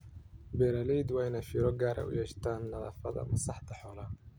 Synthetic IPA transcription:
bɛɾɐliːd̪wɑjnɐfiːɾɔɡaːɾʔɛ̰ʔʊ̰jɛːʃt̪ʰaːnːɐðɐ̰ːfɐðɐ̰mɐsɑħt̪ʰɐħɔːlɐ

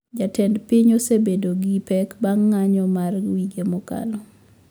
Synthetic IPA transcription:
d͡ʒatɛndpiɲɔsebedoɡipɛkbaŋːaɲɔmarwiɡemɔka̰lɔ

